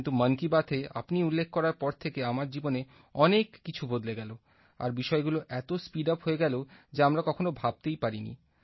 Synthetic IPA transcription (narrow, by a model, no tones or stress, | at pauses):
nt̪umənkibat̪ʰea̰pniulːekʰːkɔɾaɾpɔɾt̪ʰekeamaɾd͡ʑibone | ɔnekːit͡ɕʰubod̪leɡɛlo | a̰ɾbiʃɔeɡuloʔɛt̪ospiɖapɦoeɡɛlod͡ʑeamɾakɔkʰonobʱab̚t̪ejpaɾinḭ